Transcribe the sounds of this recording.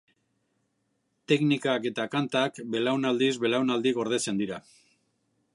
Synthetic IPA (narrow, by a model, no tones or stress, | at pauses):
t̪e̞knikake̞t̪akant̪akbe̞lawnald̪izβe̞lawnald̪iko̞ɾð̞e̞t͡se̞nd̪iɾa